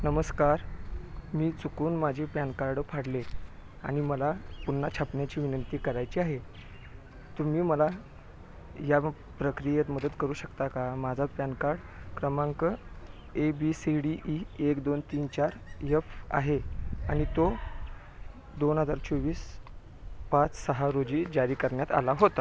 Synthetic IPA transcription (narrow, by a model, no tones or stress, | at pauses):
nəməskaɾ | miːt͡sukuːnmad͡ʑʱepjankaɾɽpʰaɽle | aɽ̃iməlapunːat͡ɕʰapɳjat͡ɕiːʋinənt̪iːkəɾajt͡ɕiːaɦe | t̪um̤iːməla | ja | pɾəkɾijet̪məd̪ət̪kəɾuːɕəkt̪akamad͡zʱat̪pjankaɽkɾəmaŋkə | ebiːsiɽiʔiekd̪ont̪iːnt͡ɕaɾjefa̰ɦea̰ɽ̃it̪o | d̪onɦəd͡zaɾt͡ɕʰoʋiːs | pat͡ssəɦaɾod͡ʑiːd͡ʑaɾiːkəɾɳjat̪a̰laɦot̪a